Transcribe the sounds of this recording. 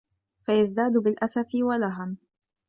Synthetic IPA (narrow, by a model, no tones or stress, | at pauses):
fajazd̪aːd̪ʊbɪlʔasafɪwalaɦam